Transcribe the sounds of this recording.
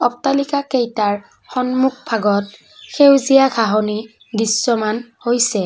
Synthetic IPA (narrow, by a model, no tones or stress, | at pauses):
ɔptalikakejtaɹ | xɔnmuk̚pʰaɡɔt̚ | xewzijaɡʱaɦɔni | disːɔmanhojsɛ